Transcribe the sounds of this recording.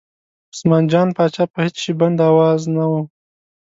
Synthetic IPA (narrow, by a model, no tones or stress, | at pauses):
ʊsmɑnd͡ʒɑnpɑt͡ʃɑpəhɪt͡sʃiband̪awɑznawu